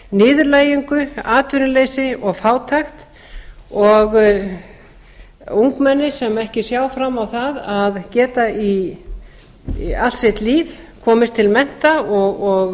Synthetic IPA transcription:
nɪːðʏɾlaːjʏŋkʏaːt̪ʏɾɪlejsɪɔɣfaːwt̪ʰaxt̪ | ɔɣ | uŋkmɛnːɪsɛmɛhcɪsjaːwfɾamːawθaðaðcɛːt̪ai | al̥srɛht̪liːv | kʰɔːmɪst̪ʰɪlmɛn̥t̪aɔɣɔɣ

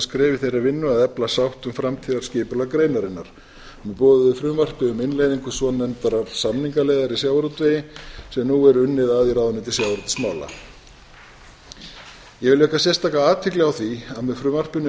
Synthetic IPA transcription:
skɾɛːvɪθejravɪnːʏaðɛplasawht̪ʏmfɾamt̪ʰiːðaɾ̥scɪːpʏlaɣkɾeːjnaɾɪnːaɾ̥ | mɛpɔːðʏðɪfɾʏmvar̥pɪʏmɪnlejðiŋkʏsɔnːɛnt̪aɾaɾ̥samniŋkalɛjðaɾisjawɾʏt̪vɪjɪsɛmnuːɛɾʏnːɪðaːðiɾaːðʏnːɪt̪ʰɪlsjawɾɔt̪ɪ̥smaːwla̰ | jɛɣvɪlɪvɛhkasjɛrst̪aːkaaːt̪ʰvɪklɛawθiaðmɛðfɾʏmvar̥pɪnʏ

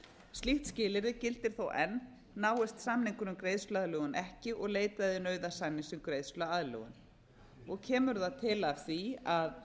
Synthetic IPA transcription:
st̪iht̪scɪːlɪɾɪcɪlt̪ɪɾ̥θowʔɛnː | aːwɛst̪samniŋkʏnʏmkɾeːjðsflaðlœɣʏnʔɛhcɪʔɔɣleːjt̪aðɪnœːɥðasajnːɪsʏmkɾeːjðsflʏaaðlœ̰ɣʏ̰n | ɔɣcʰɛːmʏɾðaðt̪ʰɪlavθiað

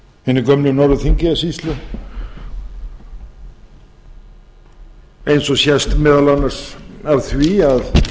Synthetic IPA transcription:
hɪnːɪɾkœmlʏnɔɾvʏθiɲcɪasist̪lʏ | ejnsɔsjɛst̪mɪːðalanːḁsavθviað

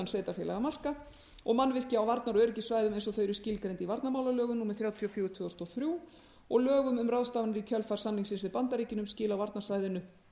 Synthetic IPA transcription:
ansveːjt̪afjɛːlaɣamar̥ka | ɔ̰ɣmanvɪr̥cɪawvaɾt̪naɾœːɾɪcɪsvaːjðʏmejns̬ɔθœɥjɾʏscɪːlkɾejnt̪ivaɾt̪namaːwlalœːɣʏnumɛðθɾjaːwt̪ʰiɔfjuːʏt̪ʰvœɔst̪ɔθɾjuː | ɔɣlœːɣʏmʏmrawðst̪aːvanɪɾicʰœlfar̥samniŋsɪnsvɪðpant̪aɾiːcɪnʏmscɪːlawvaɾt̪nasvaːjðɪnʏ

